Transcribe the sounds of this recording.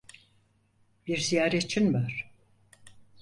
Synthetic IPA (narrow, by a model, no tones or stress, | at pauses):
biɾzijaːɾet͡ʃʰinvaɾ̥